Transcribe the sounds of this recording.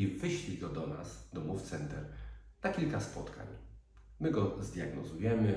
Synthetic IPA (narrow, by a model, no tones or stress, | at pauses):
ivɘɕlʲiɡɔd̪ɔnasd̪ɔmuft̪sɛnt̪ɛɾnakʲilkaspɔt̪kʰa̰ɲ | mɘɡɔzd̪ʲjaɡnɔzujɛmɘ